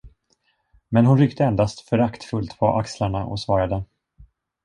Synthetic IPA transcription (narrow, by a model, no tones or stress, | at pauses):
mɛnɦʊnɾʏkt̪əɛnd̪ast̪fœɾakt̪fɵlt̪pʰɔʔakslaɳaʔɔ̰svɑːɾad̪ə